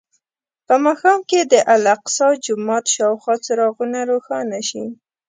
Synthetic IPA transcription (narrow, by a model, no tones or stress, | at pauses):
pəmɑxɑmked̪əʔalaqsɑd͡ʒʊmɑt̪ʃɑwxwɑt͡saɾɑɣunaɾoxɑnaʃi